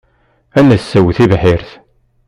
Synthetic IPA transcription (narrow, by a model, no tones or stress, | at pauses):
ænəsːæwθivħiɾθ